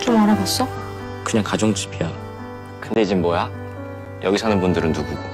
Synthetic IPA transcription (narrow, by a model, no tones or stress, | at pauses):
t͡ɕomaɾabas͈ʌ | kɯɲaŋkad͡ʑoŋt͡ɕi̥bʰijʌ | kɯnde̞d͡ʑinboja | jʌɡisʰʌnɯnbundɯɾɯnnuɡu